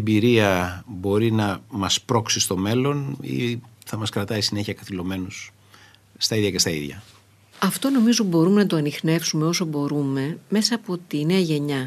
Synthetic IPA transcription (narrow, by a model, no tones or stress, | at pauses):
embiɾiɐbo̞ɾinɐmɐspɾo̞ksist̪o̞me̞lo̞nḭθɐmɐskɾɐt̪ɐisine̞çiɐkɐθilo̞me̞nusː | t̪ɐiðʝɐce̞st̪ɐḭðʝɐ̰ | ɐft̪o̞no̞mizo̞bo̞ɾume̞nɐt̪oɐnixne̞fsume̞o̞so̞bo̞ɾume̞me̞sɐːpo̞t̪ineɐʝe̞ɲɐ